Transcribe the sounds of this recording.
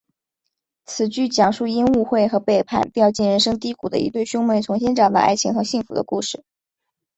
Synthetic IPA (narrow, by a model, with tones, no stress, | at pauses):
t͡sʰɹ̩˨˩t͡ɕy˥˩t͡ɕjɑ˨˩ŋʂu˥˩i˥nu˥˧xwe˥˩ɪxɤ˧˥pe˥˧ɪpʰa̰˥˩npi˥˧jɑ˥˧ʊt͡ɕi˥˩nɻə˧˥nʂɤ˥ŋt̪i˥ku˨˩d̪ə̰˦ḭ˧˥t̪we˥˩ɪɕjʊ˥ŋmə˧˥t͡sʰʊ˧˥ŋɕ̬ɛ˥nʈ͡ʂɑ˨˩ŋd̪ə̰˧ʔa̰˥ɪt͡ɕʰi˧˥ŋxɤ˧˥ɕi˥˩ŋfṵ˧˥d̪ə̰˧ku˥˧ʂɻ̩˥˩